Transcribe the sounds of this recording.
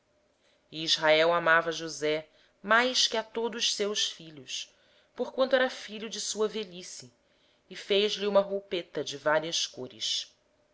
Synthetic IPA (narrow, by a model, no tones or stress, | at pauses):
iizɦaɛwamavɐʒuzɛ | majʃkɪat̪od̪ʊʃsewsfiʎʊs | poɾkwɐ̃nt̪ʊɛɾɐfiʎʊd͡ʒɪsuɐveʎisiː | fejʒliũmɐɦopet̪ɐd͡ʒɪvaɾiɐskoɾɪ̰ʃ